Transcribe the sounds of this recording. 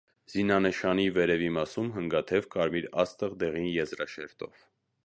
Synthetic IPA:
z̥inɑnəʃɑnivɛɾɛvimɑsumɦəŋɡɑt̪ʰɛvkɑɾmiɾɑst̪əʁd̪ɛʁinjɛzɾɑʃɛɾt̪ɔ̰v

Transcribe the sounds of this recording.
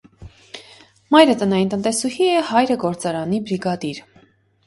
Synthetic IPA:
mɑjɾət̪ənɑjint̪ənt̪ɛsuhiɛhɑjɾəɡɔɾt͡sɑɾɑnibɾiɡɑd̪iɾ

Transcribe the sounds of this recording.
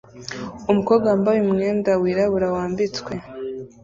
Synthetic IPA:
umukobɡambawimŋeːndawiːɾaβuɾawaːmbit͡swe̞

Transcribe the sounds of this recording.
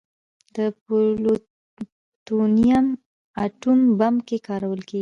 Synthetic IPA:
d̪̥əpolo | t̪unijam | aʈumbamkekɑɾawəlkeɡi

